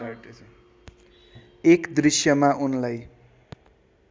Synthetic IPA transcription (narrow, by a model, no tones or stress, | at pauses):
aʈe | ekd̪risjʌmaʔunlaj